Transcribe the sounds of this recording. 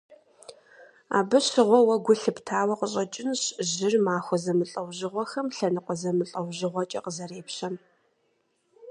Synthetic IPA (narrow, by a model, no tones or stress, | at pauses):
a̰ːbɨɕɪʁʷɔwɐɡʷʊɬɨptʰaːwɐqəɕʼɐt͡ʃʼɪnɕʑɪrmaːxʷɔzɐmɨɬʼɐwʑɪʁʷɔxɐmɬɐnɨqʷɔzɐmɨɬʼɐwʑɪʁʷɔt͡ʃʼɐ̰qəzɐɾeːpɕɐm